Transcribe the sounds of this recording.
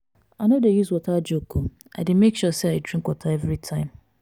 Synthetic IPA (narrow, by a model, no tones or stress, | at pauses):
aɪnodejuzwɔtad͡ʒoku | aɪdɪd̩mekʃuseaɪdɹĩŋkwɔtʰaɛvɾitʰãɪ̃m